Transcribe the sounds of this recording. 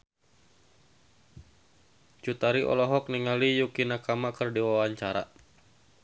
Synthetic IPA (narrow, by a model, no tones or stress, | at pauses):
t͡ʃut̪aɾiʔɔ̰lɔɦɔk̚niŋalijukinakamakərdiwawaɲt͡ʃaɾa̰